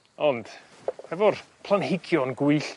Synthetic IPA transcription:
ɔnd̥ | hɛvɔrpʰlˠanhɪɡjɔnɡʊɨɬ

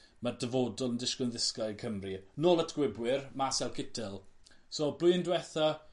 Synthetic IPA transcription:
mədəvodɔlˠəndɪʃkənðɪskaɨkʰəmrinoːlˠətʰɡ̥wɪbwɪrmasɛlˠkʰɪtʰɪlˠ | soːblʊjəndwɛθa

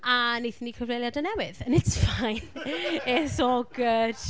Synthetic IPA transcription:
anejθniːkʰəvlejljadənɛwɪðənɪtsfajnɪsoɡəd̥

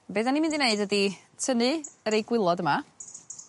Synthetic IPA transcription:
beːðanimɪ̃ndineɨdəditʰənɨəɾejɡwɪlˠɔdəma

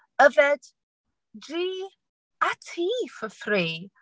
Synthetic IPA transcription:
əvɛd̥ | diː | atʰiːfəθriː

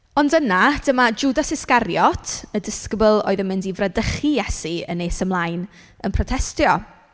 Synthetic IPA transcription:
ɔndənad̥əmad͡ʒudasɪskaɾjɔtʰədɪskəbəlˠo̰ːɨðənmɪndivradəχijɛsiə̰neːsəmlˠajn | ənpʰrɔtʰɛstjɔ

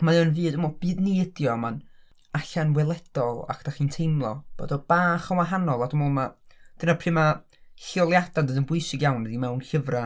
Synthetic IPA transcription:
maɔːnvɨːdəmɔb̥ɨːdnidjɔman | aɬanwɛlˠɛd̥ɔlˠa̰kʰd̥aχiːntʰejmlˠɔ̰b̥o̰ːdɔb̥aːχəwaɦanɔlˠadəmuːlˠmad̥ənapʰriːma | ɬɪɔlˠjad̥andəːdənbʊjɨsɪɡjawnɛdimɛwnɬəvra

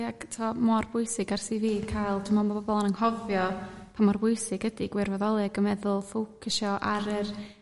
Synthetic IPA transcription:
aɡtʰɔmɔrbʊɨsɪɡarsiviːkʰajlˠtʰumɔbabɔbɔlˠanəŋhɔvjɔpʰamɔrbʊjsɪɡ̥ədiɡwɪrvɔðɔlˠɪaɡəmɛðʊlˠfuwkʰɪʃɔʔaɾər

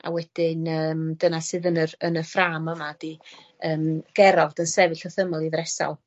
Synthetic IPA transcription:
a̰wɛd̥ɪnəːmdənasɨðənərənəfraːməmad̥i | əːmɡ̥ɛɾɔvd̥ənsɛvɨɬɔθəməlˠiðɾɛsɔ̰lˠ

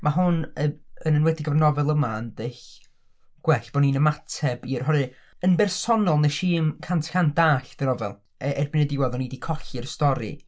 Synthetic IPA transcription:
maɦʊnəənənwɛdɪɡəvrnɔvɛlˠəmaəndɪɬ | ɡ̥wɛɬb̥ɔninəmatʰɛbirɦɔɾɨ | ənbɛrsɔnɔlˠnəʃiːmkʰantʰkʰantd̥aːɬd̥ənɔvɛ̰lˠ | ɛʔɛrbɪnɛdɪwaðɔniːdikʰɔɬirstɔɾɨ̰

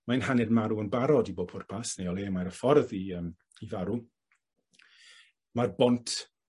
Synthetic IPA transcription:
majnhanɪrmaɾuənbaɾɔdibopʰʊrpʰasnejɔleːmaɾəfɔrðiəm | ivaɾu | marbɔntʰ

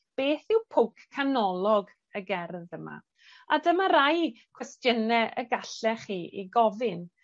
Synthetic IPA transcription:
b̥eːθɪwpʰowkːʰanɔlˠɔɡ | əɡɛrðəma̰ | adəmaɾajkʰwɛstjənɛʔəɡaɬɛχiːʔiɡɔvɪn

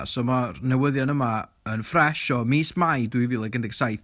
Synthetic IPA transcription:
sɔmarnɛwəðjɔnəma | ənfrɛʃɔmiːsmajdwɨviːlˠɛɡəndɛɡ̥sajθ

